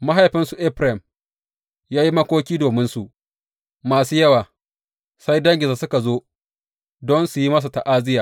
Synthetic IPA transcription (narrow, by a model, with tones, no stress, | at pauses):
ma˦ɦa˨jɸɪ˦nsu˨ʔɛ˦ɸɾɛ˨m | jaː˦ji˦mɐ˦kʷoː˦kʲiː˦doː˨mɪ˦nsu˨ʔ | maː˨suː˦jɐ˦waː˨ | sa˦jdɐ˦ŋɡʲɪ˨zaː˨sʊ˦ka˨zoː˦ | dɔ˦nsu˨ji˦mɐ˦s̬u˨ta˨ʔaː˦zɪ˦jaː˨